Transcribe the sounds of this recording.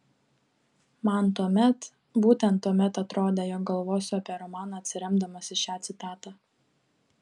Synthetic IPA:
mɐnt̪uɔmʲɛt̪ | buːt̪ʲɛnt̪ːuɔmʲɛt̪ɐt̪ɾoːd̪ʲeːjɔk̚ɡɐlˠʋoːsʲʊɐpʲiɛɾɔmɑːnɐːɐt̪ʲsʲɪɾʲɛmd̪ɐmɐsʲɪʃʲæːt̪sʲɪt̪ɑːt̪ɑː

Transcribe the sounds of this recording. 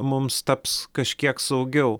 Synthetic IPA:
mʊmst̪ɐpskɐʃʲkʲiɛksɐʊɡʲɛʊ

